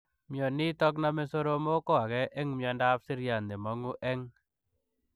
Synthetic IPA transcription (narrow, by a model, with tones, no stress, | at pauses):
mjɔ˨ni˦t̪ɔ˦k̬na˦me˦so˦ɾo˦mo˦kɔ˦a˨ɣɛ˦ʔɛ˦ŋmjɔ˨nda˦psɪ˦ɾja˨nd̪e˨mɔ˨ŋu˦ʔɛ˦ŋ